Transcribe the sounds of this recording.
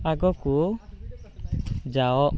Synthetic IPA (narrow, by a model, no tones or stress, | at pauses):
aɡɔku | d͡ʒaɔ